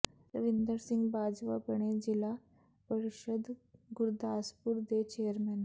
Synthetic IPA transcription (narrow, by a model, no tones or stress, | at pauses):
əʋind̪əɾsiŋɡbad͡zʋa̰pəɳed͡ʑila | pəɾiɕəd̪ɡuɾd̪aspuːɾd̪et͡ɕejəɾmɛn